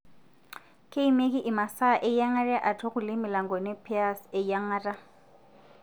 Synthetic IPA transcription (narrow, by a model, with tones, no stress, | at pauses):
kʼe˦i˦me˦kʼɪ˦ʔɪ˨ma˨sa˦˨ʔɪ˦ja˦ŋa˦ra˦ʔa˨tʰɔ˦ɣʊ˨lɪ˦mɪ˨la˨ŋɡɔ˨nɛ˦pʰi˦a˨sɛ˦ja˦ŋara˦